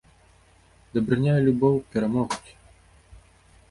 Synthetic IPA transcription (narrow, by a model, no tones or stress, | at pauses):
d̪ɐbɾɨnʲajɛlʲubɔwpʲɛɾamɔɣkʲi̥